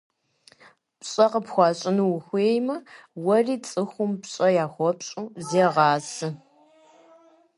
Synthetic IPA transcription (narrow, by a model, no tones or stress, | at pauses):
pɕʼɐqəpxʷɑːɕʼɪnuwʊxʷeːjmɐwɐriːt͡sʼɨxʷʊmpɕʼɐjaːxʷɔpɕʼuzeːʁɑːsɨ